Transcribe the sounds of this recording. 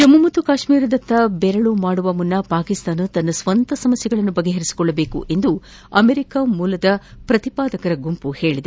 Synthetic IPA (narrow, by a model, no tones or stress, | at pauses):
d͡ʒɐmːumɐt̪ːukaːʃmiːɾɐd̪ɐt̪ːɐbɛɾɐɭumaːɽuʋɐmunːɐpaːkist̪aːnut̪ɐnːɐsʋɐnt̪ɐsɐmɐsjɐɡɐɭɐnːubɐɡːeɦɐɾisi̥kɔɭːɐbe̞ːkṵʔe̞nd̪u | ɐmeɾikamuːlɐd̪ɐpɾɐt̪ipaːd̪ɐkɐɾɐɡumpuhe̞ːɭid̪e